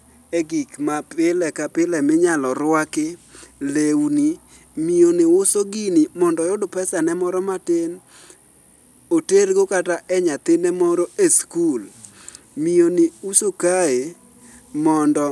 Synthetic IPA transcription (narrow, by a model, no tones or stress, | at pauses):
ɛɡikmapɪlɛkapɪlɛmɪɲalɔɾʊwakɪlewni | mionɪʊsoɡinimɔndɔjodopɛsanɛmɔɾɔmatɪn | oteɾɡokataʔɛɲat̪ɪnemɔɾɔeskul | mionɪusokae | mɔndɔ